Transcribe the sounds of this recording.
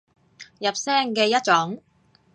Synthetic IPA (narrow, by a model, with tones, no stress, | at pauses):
jɐ˨p̚sɛː˥ŋkɛː˧jɐ˥t̚t͡ʃɔ˨˥ŋ